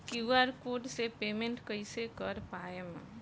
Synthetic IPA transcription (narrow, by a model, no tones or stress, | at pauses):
kjuaːɾkoːɖsepeːmẽɳʈkəɪsekəɾpaːemə̰̃